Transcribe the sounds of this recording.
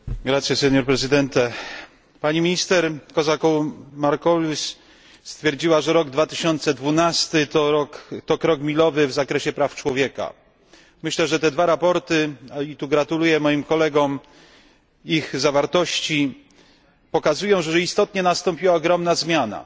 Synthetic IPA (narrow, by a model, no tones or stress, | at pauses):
ɡɾat̪sjɛsɛɲɔɾpɾɛzɘd̪ɛnt̪ɛ | paɲimʲiɲist̪ɛɾkɔzakɔmaɾkɔlʲus | st̪fʲjɛɾd͡ʑiwaʐɛɾɔɡd̪vat̪ɘɕɔnt̪sɛd̪vunast̪ɘt̪ɔɾɔkt̪ɔkɾɔkmʲilɔvɘvzakɾɛɕɛpɾaft͡ʂwɔvʲjɛka̰ | mɘɕlɛʐɛt̪ɛd̪vaɾapɔɾt̪ɘit̪uɡɾat̪ulujɛmɔjimkɔlɛɡɔm | iɣzavaɾt̪ɔɕt͡ɕi | pɔkazujɔ̃w̃ʐɛʐɛist̪ɔt̪ɲɛnast̪ɔ̃mpʲiwaɔɡɾɔmnazmʲjana̰